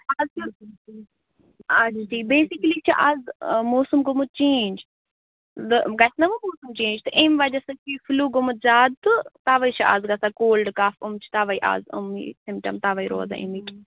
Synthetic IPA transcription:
azɐ | ad͡ʒid͡ʒiːbeːsiklit͡ʃʰiʔazmoːsumɡʊmut͡ʃẽːnd͡ʒ | d̪ɨɡɐsnɐʋɐmoːsumt͡ʃẽːnd͡ʒt̪ɨʔemʋɐd͡ʒɐsɐkʰifluːɡʊmut̪̚zaːd̪t̪ɨt̪aːʋɐit͡ʃʰɐʔa̰ːzɡɐsakoːlɖkaːfumt͡ʃʰi̥t̪aːʋɐiʔa̰ːzṵmḭsɪmpʈɐ̰mt̪aʋɐiɾo̰ːza̰ḭmik

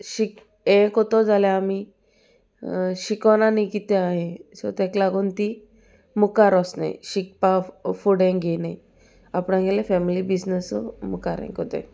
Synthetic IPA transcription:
ɕik | ɛ̃kɔt̪ɔd͡zaleami | ɕikɔnanikit̪ɛaɦẽsɔ̰t̪ɛ̃klaɡuːnt̪i | mukaɾɔsna̰j̰ɕik̚pafuɽɛ̃ɡenaj | apɽãɡɛlẽfɛmilibid͡znəsɔmukaɾɛ̰̃kɔt̪ɛ̰̃

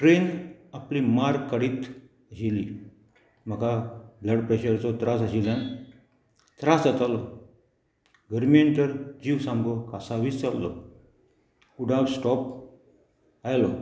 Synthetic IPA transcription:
ʈɾenaplimaɾkːəɽiːt̪ | əɕili | m̤əkabləɖpɾeɕəɾt͡sɔt̪ɾasaɕilãn | t̪ɾasat̪alɔ | ɡʱəɾmient̪əɾd͡ʑiʋsãmɡɔkasaʋit͡st͡salːɔ̰ | uɖabsʈɔp | ajlɔ

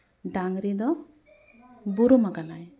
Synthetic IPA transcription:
ɖaŋɾid̪ɔ | buɾumaɡanaj

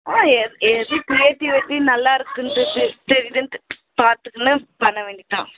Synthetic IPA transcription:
aːɛðipɾijeʈːiʋeʈːinɐlːaːɪɾɯkːɯnt̪ɯt̪ɛɾɪjðɯn | paːɾt̪ɯkːɯnːɐpɐɳːɐʋeːɳɖɪʈ̪ːã̰ː

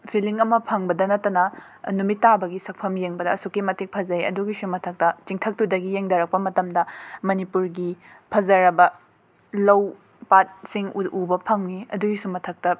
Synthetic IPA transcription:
pʰiliŋɐmɐpʰɐŋbɐdɐnɐtːɐnɐ | numitːabɐɡisɐk̚pʰɐmjeŋbɐdɐːsukːimɐtik̚pʰɐzɐjɐ̰duɡisumɐtʰɐk̚tɐt͡ʃiŋtʰɐk̚tudɐɡijeŋdɐɾɐk̚pɐmɐtɐmdɐmɐnipuɾɡipʰɐzɐɾɐbɐ | lɐw | pat̚siŋuubɐpʰɐŋniɐduɡisumɐtʰɐk̚tɐ

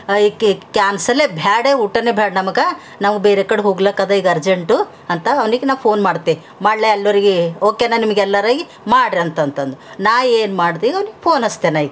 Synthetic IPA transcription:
ikkjaːnsɐlːebʱaːɽeuʈːɐnebʱaːɽnɐmɐɡɐ | nɐʋubeːɾekɐɽeɦoːɡlɐkɐd̪ɐiɡɐɐɾd͡ʒeɳʈu | ɐnt̪ɐɐʋniɡenaːʋwpʰo̞ːnmaːɽt̪ii | maːɖleɛlːɐɾiɡeoːkenɐnimɐɡɛlːɐɾaːɡi | maːɽɾiɐnt̪ɐnt̪ɐnd̪uunaːʋeːnmaːɽt̪iːʋiɐʋniɡepʰo̞ːnɐst̪enaiɡɐ

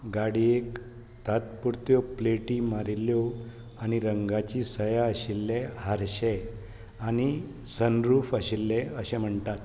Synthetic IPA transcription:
ɡaɽiek | t̪at̪̚puɾt̪jɔpleʈimaɾiljɔ | añiɾəŋɡat͡ɕisəjaəɕilːeɦaɾɕe | añi | sənɾuːfəɕilːeəɕem̤əɳt̪at̪

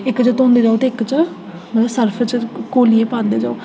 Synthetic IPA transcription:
ɪkːt͡ʃət̪õːnd̪eːd͡ʒaːot̪eːɪkt͡ʃ | məsəɾpʰt͡ʃkoːlieːpãːnd̪eːd͡ʒaːo

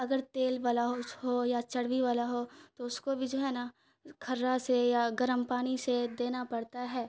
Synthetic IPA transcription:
ɐɡəɾt̪eːlʋaːlaɦoɦojat͡ʃɐɽʋiʋaːlaɦoːt̪oʊskobʱid͡ʒoːɦɛːna | kʰɐɾːasejaɡɐɾəmpaːɽ̃ised̪eːnapɐɽt̪aɦɛː

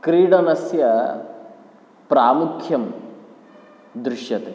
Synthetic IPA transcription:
kɾiːɽɐnɐsjɐ | pɾaːmukʰjɐm | d̪ɾɪʃjɐt̪eː

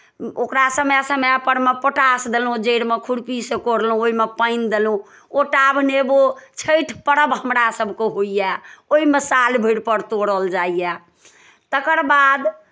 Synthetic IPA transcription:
okɾasəmjasəmjapəɾmepəʈasd̪elũd͡ʒeɽmekʰuɽpisekoɾlɦũoimepəɪnd̪elũ | oʈabnebot͡ʃʰəʈʰpəɽəbɦəmɾasəbʱkeɦoijɛoimesalbʱiɽpəɾt̪oɽəld͡ʒaija | t̪əkəɾbad̪

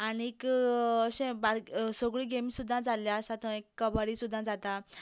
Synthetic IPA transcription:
anikɕẽbaɾsoɡɭiːɡemisud̪ʱːãd͡zaljasat̪ʰə̃ekːəbəɽisud̪ʱːãd͡zat̪a

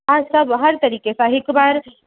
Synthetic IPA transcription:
aːsɐbɦɐɾt̪ɐɾiːkesaɦɪkbaːɾ

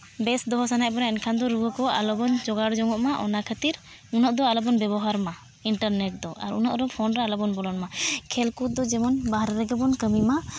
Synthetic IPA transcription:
bɛsd̪ɔɦɔsanaʔbɔnaɛnkʰand̪ɔɾuəkɔa̰lɔbɔnd͡ʒɔɡaɽd͡ʒɔŋɔʔmaʔɔ̰nakʰət̪iɾ | unaʔd̪ɔalɔbɔnbɛbɔɦaɾma | iɳʈəɾnɛʈ̚d̪ɔa̰ɾṵnaʔɾɔpʰɔnɾaalɔbɔnbɔlɔnmakʰɛlkut̪̚d̪ɔd͡ʒɛmɔnbaɦɾɛɾɛɡɛbɔnkəmima

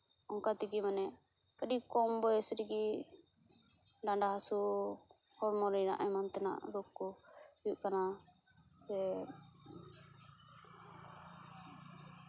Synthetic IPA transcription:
ɔŋkat̪iɡimanɛkəɖikɔmbɔjɔsɾiɡi | ɖaɳɖaɦasu | hɔɾmɔɾiɾa̰ʔɛmant̪ɛna̰ʔlukːɔbuʔkana | sɛ

